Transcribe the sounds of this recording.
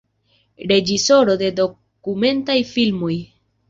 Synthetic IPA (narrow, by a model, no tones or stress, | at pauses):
ɾe̞d͡ʒiso̞ɾo̞de̞do̞ | kume̞ntajfilmoj